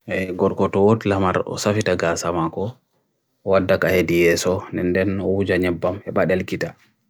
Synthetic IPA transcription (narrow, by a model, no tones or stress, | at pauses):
ʔɛɡɔɾkɔtɔwotilamaɾɔ̰safitaɡaːsamakɔ | wadːakahedijɛsɔnɛndɛnɔwud͡ʒaɲɛbːamhɛɓaɗelkita